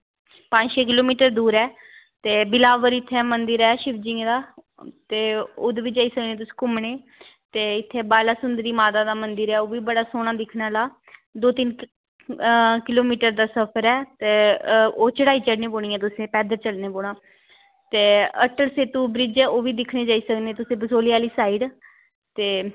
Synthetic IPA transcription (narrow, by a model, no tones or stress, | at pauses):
pãːd͡ʒʃeːk̬ɪloːmiːʈəɾd̪uːɾɛː | t̪eːbɪlaːʋəɾɪt̪ʰːɛːmənd̪ɪɾɛːʃɪʋd͡ʒɪ̃ŋɡd̪aː | t̪eːoːd̪ʋiːd͡ʒaːiːsəknẽːt̪̬ʊsi̥ːkʊmɳeː | t̪eːɪt̪ʰːeːbaːlaːsʊnd̪əɾiːmaːt̪aːd̪aːmənd̪əɾɛːoːʋiːbəɽaːsoːɽ̃ãːd̪ɪkʰnaːlaː | d̪oːt̪ɪn | kɪloːmiːʈəɾd̪aːsəpʰəɾɛːt̪eːoːt͡ʃəɽaːiːt͡ʃəɽnẽːpoːɽ̃iːɛːt̪ʊsẽːpɛːd̪əɾt͡ʃəlneːpoːɳaː | t̪eːə̰ʈəlseːt̪ũːbɾɪd͡ʒɛːoːʋiːd̪ɪkʰneːd͡ʒaːiːsəknẽːt̪ʊsẽːbəsoːliːaːliːsaːiɖ | t̪eː